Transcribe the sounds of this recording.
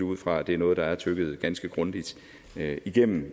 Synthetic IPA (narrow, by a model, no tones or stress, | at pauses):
uð̰ˠfʁɑ̈æd̥e̝æɐnɔːð̞̩ˠd̥ɑ̈æɐt͡sʰøɡ̥əð̞̩ˠɡ̥ænsɡ̥əɡ̥ʁɔ̽nd̥id̥ | iɡ̥em̰m̩